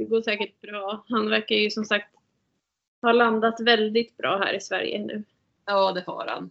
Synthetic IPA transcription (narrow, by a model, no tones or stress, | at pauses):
ɛɡoːʂɛːkəʈ̚b̥ɾɑːhanvæɾkajɵsɔmsakt̪ | hɑland̪at̪vɛld̪ɪt̪bɾɑ̰ːɦæ̰ːɾɪsvæ̰ɾjə̰nʉ̟̰ː | jɑːd̪ɛfɑ̰ːɾha̰n